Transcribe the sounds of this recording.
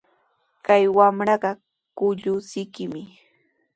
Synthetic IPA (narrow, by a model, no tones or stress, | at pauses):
kajwamɾɑɢɑ | kʊʎʊsɪjkɪmɪ